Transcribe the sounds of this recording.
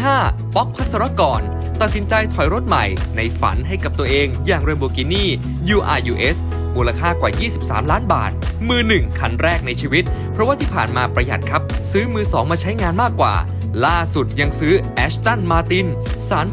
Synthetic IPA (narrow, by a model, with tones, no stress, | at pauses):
ɦaː˥˩pɔ˦˥k̚pʰa˦˥sa˧ɾa˦˥kɔː˨˩n | t̪a˨t̪̚si˩˦nt͡ɕa˧jt̪ʰɔ˨˩jɾo˦˥t̪̚ma̰˨˩jna˧jfa̰˩˦nɦa˥˩jka˨˩p̚t̪u˧ɐʔeː˧ŋjaː˨˩ŋɾo˧bu˧˩ki˧niː˥˩ | juː˧ʔa̰ː˧ʔuː˧ʔe˦˥s | muː˧laː˧kʰaː˥˩kwaː˨˩jiː˥˩si˨˩p̚sa̰ː˩˦mlaː˦˥nba̰ː˨˩t̪̚ | mɯː˧nɯ˨˩ŋkʰa˧nɾɛː˥˩k̚na˧jt͡ɕʰiː˧wi˦˥t̪̚pʰɾɔ˦˥waː˥˩t̪ʰiː˥˩pʰaː˨˩nmaː˧pɾa˧ja̰˨˩t̪̚kʰa˦˥p̚sɯː˦˥mɯː˧sɔː˩˦ŋmaː˧t͡ɕʰa˦˥jŋaː˧nmaː˥˩kːwa̰ː˨˩ | laː˥˩su˨˩t̪̚ja˧ŋsɯː˦˥ʔɛ˦˥sʰt̪a˥˩nmaː˧t̪i˧n | saː˩˦n